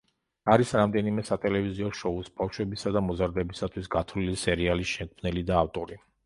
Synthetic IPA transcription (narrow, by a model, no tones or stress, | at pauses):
aɾisɾamd̪ɛnimɛsat̪ʼɛlɛviziɔʃɔusbafʃwɛbisad̪amɔzaɾd̪ɛbisat̪ʰwisɡat̪ʰvlilisɛɾialiʃɛŋkʰmnɛlid̪aːft̪ʼɔɾi